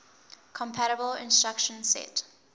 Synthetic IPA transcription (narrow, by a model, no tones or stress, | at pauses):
kʰɔ̃mpʰaɾəbəlɪ̰̃nstɹakʃə̃nsɛ̰t